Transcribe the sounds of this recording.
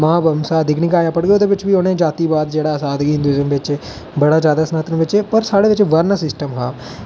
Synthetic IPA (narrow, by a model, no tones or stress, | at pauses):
mãːbəmsaːəd̪ʱɪknɪkaːjaːpəɽɡeoːd̪eːbɪt͡ʃbiːoːnẽːd͡ʒaːt̪iːbaːd̪d͡ʒeːɽasaːd̪ɡiɪ̃nd̪uiːzəmʋɪt͡ʃeː | bɐɽaːd͡ʒjaːd̪aːsnaːt̪ənʋɪt͡ʃepəɾsaːɽeːʋɪt͡ʃʋəɾnəsɪsʈəmɦa̰ː